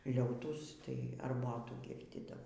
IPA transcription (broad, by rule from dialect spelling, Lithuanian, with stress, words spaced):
ˈlʲɛʊtuːs tɐɪ ɐrˈboːtuː ˈɡʲɪrʲdʲiːdɐʋoː